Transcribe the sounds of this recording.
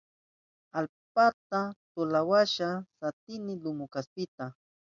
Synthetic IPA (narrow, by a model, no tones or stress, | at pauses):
alp̚at̪at̪ʊlawaʃasat̪ɪnɪlʊmʊkaspɪt̪a